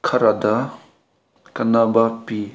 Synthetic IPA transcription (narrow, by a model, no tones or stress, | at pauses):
kʰɐɾad̪a | kɐnabapi